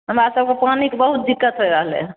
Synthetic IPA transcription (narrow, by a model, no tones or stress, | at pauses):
ɦəmɾasəb̚kepanikebəɦut̪̚d̪ikːət̪ɦojɾəɦlḛ